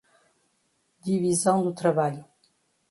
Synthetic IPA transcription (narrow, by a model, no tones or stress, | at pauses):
d̪ivizɐ̃w̃d̪ut̪ɾɐβaʎu